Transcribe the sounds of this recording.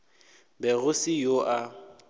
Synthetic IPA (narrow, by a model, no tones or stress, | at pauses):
bɛɣʊsɪjoʔa